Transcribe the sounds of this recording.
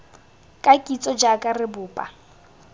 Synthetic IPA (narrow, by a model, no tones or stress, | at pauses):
kʼakʼit͡sʼɔd͡ʒakʼarɪbʊːpʼa